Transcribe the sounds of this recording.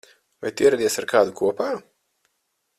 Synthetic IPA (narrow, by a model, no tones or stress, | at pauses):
va̰jt̪iɛɾad̪ʲiɛsaɾkʰaːd̪ukuɔpaː